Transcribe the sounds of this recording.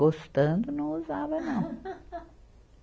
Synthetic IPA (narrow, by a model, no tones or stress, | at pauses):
ost̪ɐ̃nd̪ʊnɐ̃w̃uzavɐnɐ̃w̃